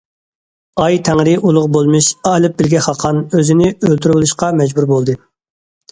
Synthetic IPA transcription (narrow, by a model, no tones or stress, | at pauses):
ɑjt̪ʰɛŋɾɪʔulˠʊʁbolˠmɨʃɑlˠɨp̚bɪlɡʲɛχɑqʰɑnøzɪnɪølt̪ʰyɾbolˠuʃqɑmɛd͡ʒbuɾbolˠd̪ɨ